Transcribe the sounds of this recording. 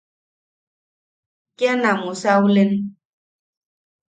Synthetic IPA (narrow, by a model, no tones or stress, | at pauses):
kjanamusawulen